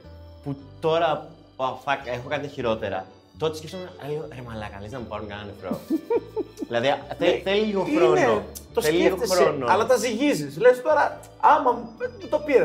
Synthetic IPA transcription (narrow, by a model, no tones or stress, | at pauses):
put̪o̞ɾɐ | ɐfɐkexokɐt̪içiɾo̞t̪e̞ɾɐ̰ | t̪ot̪escefst̪omlioɾemɐlɐkɐliznɐmupɐɾuŋkɐnɐnefɾo | ðilɐðiθeθeliliɣoxɾonneot̪oselilɣot̪esxɾonoɐlɐt̪ɐziʝizislest̪o̞ɾɐ | ɐmɐmt̪t̪o̞piɾɐ